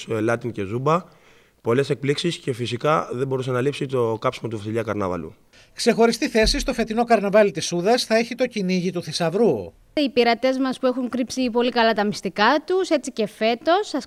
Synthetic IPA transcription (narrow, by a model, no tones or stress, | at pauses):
lɐt̪ince̞zubɐ | po̞le̞sek̚pliksisce̞fisikɐðembo̞ɾusenɐlipsit̪o̞kɐpsimot̪uvɐsiʎɐkɐɾnɐ̰vɐ̰lṵ | kse̞xo̞ɾist̪iθe̞sist̪o̞fe̞t̪ino̞kɐɾnɐvɐlit̪isuðɐsθɐe̞çit̪o̞ciniʝit̪uθisɐvɾu | ipiɾɐt̪e̞zmɐspuexuŋkɾipsipo̞likɐlɐt̪ɐmist̪ikɐt̪use̞t͡sice̞fe̞t̪o̞sɐs